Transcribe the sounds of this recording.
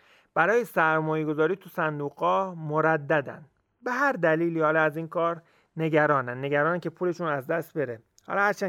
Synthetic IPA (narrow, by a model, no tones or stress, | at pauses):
b̥æɾɒːjesæɾmɒːjeɡo̞zɒːɾiːt̪ʰusænd̪uːɣɒːmoɾæd̪ːæd̪æ̰nd̪ | be̞ɦæɾd̪æliːliːɒːlɒæziːnkʰɒːɾ | ne̞ɟæɾɒːnænːe̞ɟæɾɒːnæncʰe̞pʰuːle̞ʃuːnæzd̪æst̪̚be̞ɾe | hɒ̰ːlɒhæɾt͡ʃʰæː